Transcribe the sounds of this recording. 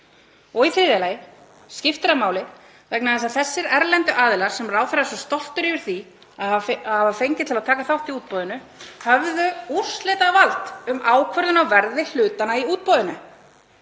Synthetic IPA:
ɔɣifɾɪːðjalajɪ | scɪft̪ɪɾamaːwlɪ | vɛknaðɛsaðθɛsːɪɾɛɾlɛnt̪ʏʔaːðɪlaɾ̥sɛmraːwθɛɾasɔst̪ɔl̥t̪ʏɾivɪɾ̥θi | ahhavafejɲcɪt̪ʰɪlaðt̪ʰaːkaθawht̪iuːt̪̚pɔːðʏnʏ | hœvðʏur̥slɪːt̪avalt̪ʏmʔaːwkʰvœɾðʏnawvɛɾðɪl̥ʏːt̪anaiuːt̪̚pɔðɪnʏ

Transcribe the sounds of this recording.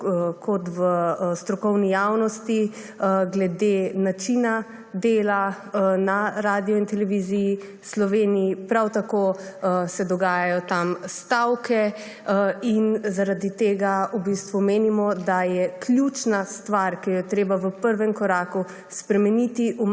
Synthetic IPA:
kʰɔt̪ʋəst̪ɾɔkɔwnijawnɔst̪i | ɡlɛd̪enat͡ʃina | d̪eːla | naɾaːd̪ijɔint̪ɛlɛʋiziji | slɔʋeːnijipɾawt̪akosɛd̪ɔɡaːjajɔt̪amst̪awkʰɛ | inzaɾad̪it̪eːɡaubist̪ʋumeːnimɔd̪ajɛklʲjut͡ʃnast̪ʋaɾkɛjɛt̪ɾeːbaʋəpəɾʋɛmkɔɾaːku | spɾɛmɛnit̪iʔu

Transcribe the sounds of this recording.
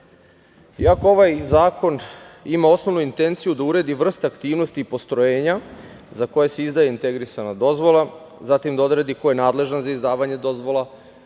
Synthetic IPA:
ḭakoo̞ʋajzaːkʰo̞nimao̞sno̞ʋnuint̪e̞nt̪sijud̪auɾe̞d̪iʋr̩st̪aakt̪iːʋno̞st̪iːpo̞st̪ɾojeːɲa | zako̞je̞seizd̪ajeint̪e̞ɡɾisanad̪o̞zʋo̞lˠa | zat̪imd̪ao̞d̪ɾed̪iko̞je̞naːd̪le̞ʒanzaizd̪aːʋaɲe̞d̪o̞zʋo̞la

